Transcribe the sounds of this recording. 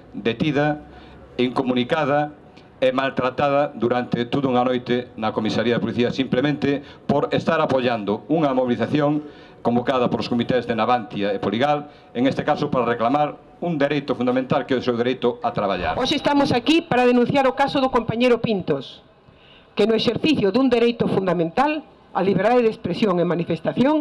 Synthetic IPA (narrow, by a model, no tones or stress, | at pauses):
d̪et̪iðɐ | iŋkomunikað̞ɐ | ɛmalt̪ɾat̪aðɐd̪uɾant̪et̪oðʊuŋanojt̪ɪnɐkomisaɾiɐðepoliθiɐsimplemẽnt̪ɪpoɾest̪aɾapoʎand̪ʊuŋɐmoβiliθaθjoŋ | kombokaðɐpoloskomit̪ɛzðenaβant̪jaepoliɣal | eŋest̪ekasʊpaɾareklamaɾ | uŋd̪eɾejt̪ʊfund̪amẽnt̪alkeðʊsewðeɾejt̪ʊat̪ɾaβaʎa̰ɾoʃeːst̪amosakipaɾaðenũn̟θjaɾʊkasoðʊkompaɲejɾʊpint̪os | kenʊeʃeɾθiθjʊðund̪eɾejt̪ʊfund̪amẽnt̪al | aliβeɾðaðeðespɾesjoŋemanifest̪aθjoŋ